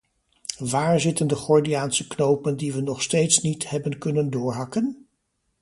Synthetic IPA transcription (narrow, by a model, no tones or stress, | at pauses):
ʋaːɹzɪtəndəχɔɹdiaːnsəknowpəndiʋənɔχstejtsnithɛbənkɵnəndʊːɹɦɑkən